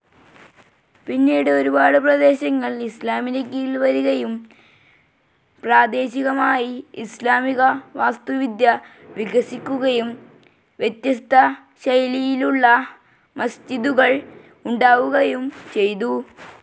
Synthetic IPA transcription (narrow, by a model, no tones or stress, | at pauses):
pinːiːɽɨoɾubaːɽɨp̬rɐd̪e̞ːɕɐŋːɐɭislaːminɐkːijilʋɐɾuɣɐjum | praːd̪e̞ːɕiɣɐmaːjiislaːmiɣɐʋaːst̪uʋid̪jɐ | ʋiɣɐsikʲːuɣɐjum | ʋjet̪jɐst̪ʰɐ | ɕɐjlijiluɭːɐ | mɐst͡ɕiðuɣɐɭ | uɳɖaːʋuɣɐjumt͡ɕe̞jt̪u